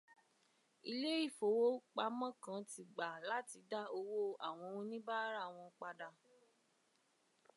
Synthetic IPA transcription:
i˧le˦i˦˨fo˨wo˦k͡pa˧mã˦kã˧˦ti˧ɡ͡ba˨la˦ti˧da˦o˧wo˦a˨w̃ɔ̃˧ũ˧nĩ˦ba˦ɾa˦˨w̃ɔ̃˧k͡pa˧da˧

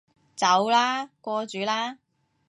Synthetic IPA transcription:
t͡sɐ˨˥wlaː˥kʷɔː˧t͡ʃyː˨˧˥laː˥

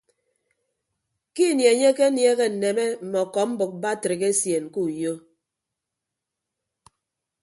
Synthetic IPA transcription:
ki˦˨nje˨ɲe˦ke˦nje˦ɣe˦n̩˨ne˨me˦m̩˨mɔ˨kɔ˨m̩˦bɨ˨k̚ba˦tɾi˨ɣe˦sje˨n˨ku˦˨jo˦

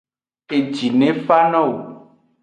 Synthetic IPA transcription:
e˨d͡ʒi˨nẽ˦fa˦nɔ̃˦wo˨

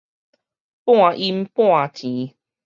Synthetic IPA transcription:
pw̃a˥˨ʔi˦mpw̃a˥˨t͡ɕĩ˨˦

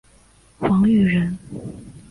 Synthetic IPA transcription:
xɑ˧˥ŋy˥˩ɻə˧˥n

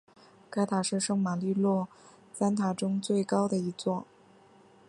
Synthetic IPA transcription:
ka˥ɪt̪ʰa˨˩ʂɻ̩˥˧ʂɤ˥ŋma˨˩li˥˧lwɔ˥˩ | sa˥nt̪ʰa˨˩ʈ͡ʂʊ˥ŋt͡swe˥˩ɪkɑ˥ʊd̪ə˨i˧˥t͡swɔ˥˩

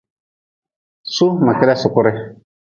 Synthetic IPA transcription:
su˦ma˨kɪ˦ɾɛ˦sʊ˨kʊ˦ɾɪ˦

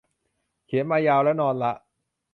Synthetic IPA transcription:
kʰi˩˦nmaː˧jaː˧wlɛ˦˥nɔː˧nla˦˥ʔ

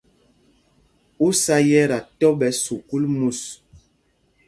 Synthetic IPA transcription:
u˦sa˦jɛ˦ɾa˨tɔ˦ɓɛ˨˦su˨ku˦lmu˦˨s

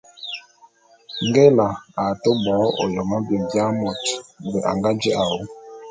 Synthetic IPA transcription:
ŋ˦ɡɛ˦la˨a˨to˦bɔː˨˦o̰˨jɔ˨ma˦bi˨m˨bja˦mɔ˨tbɛ˨ʔa̰˨ŋɡa˦d͡ʒi˦ʔa˨wo˦

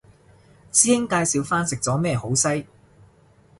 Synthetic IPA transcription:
t͡siː˥hɪ˥ŋkaː˧jsiː˨˧wfaː˥nsɪ˨k̚t͡sɔː˨˥mɛː˥ho˨˥wsɐ˥j

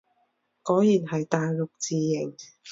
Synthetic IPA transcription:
kɔː˨˥jjiː˨˩nhɐ˨jt̪aː˨jlʊ˨˩k̚t͡siː˨˧jɪ˨˩ŋ

